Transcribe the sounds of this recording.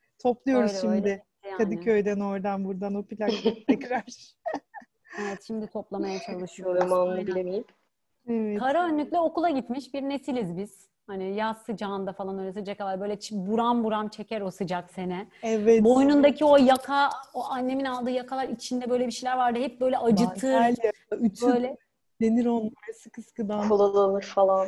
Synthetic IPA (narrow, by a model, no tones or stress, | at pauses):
t̪ʰo̞plˠujo̞ɾuʃimd̪ɪ | ɛjaːkʰad̪ɯkʰøjd̪æno̞ɾd̪anbuɾd̪anopilʲakt̪ʰɛkɾaɾ̥ | evɛt̪ʃimd̪it̪ʰo̞plˠamajat͡ʃʰalˠɯʃɯjoɾumabilʲemejip | ɛvɛkʰaɾɯanːyc̪ʲlʲɛo̞kulˠaɟit̪miʃbiɾne̞silʲizbiz̥ | hanijast̪ɯd͡ʒand̪afalˠanølɛsid͡ʒekalalʲbø̞jlʲɛt͡ʃbuɾambuɾamt͡ʃʰe̞cæɾo̞sɯd͡ʒakse̞nɛɛvɛbo̞jnund̪acʰio̞jakʰaoʔanːe̞minalˠd̪ɯːjakʰalˠaɾit͡ʃʰind̪ɛbø̞jlʲebiʃejlʲæɾvaɾd̪ɯɦɛp̚bø̞jlʲɛʔad͡ʒɯtʰɯːaljaayt͡ʃʰbøjlʲɛ | d̪̥eniɾo̞nlːˠaɾsɯkɯskɯd̪aolˠalˠalˠɯɾfalˠan